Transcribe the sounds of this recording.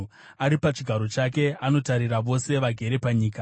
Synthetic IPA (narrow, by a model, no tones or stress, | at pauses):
aɾipat͡ʃiɡʱaɾo̞t͡ʃake̞ano̞taɾiraʋo̞se̞ʋaɡʱe̞ɾe̞paɲiːka